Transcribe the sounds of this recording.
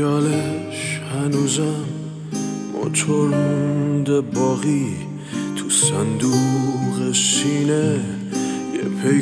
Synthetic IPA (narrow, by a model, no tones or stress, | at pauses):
ɒːleʃhænuːzæm | bɒ̰t͡ʃʰoɾmunnd̪ebɒːɣi | t̪ʰusænd̪uɣesiːne | jḛpʰe